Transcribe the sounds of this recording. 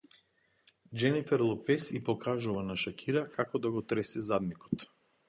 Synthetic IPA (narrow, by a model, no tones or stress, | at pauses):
d͡ʒɛnifɛɾlˠɔpɛsipɔkʰaʒuvanaʃakʲʰiɾakʰakɔd̪aɡɔt̪ɾɛsizad̪nikɔ̥t̪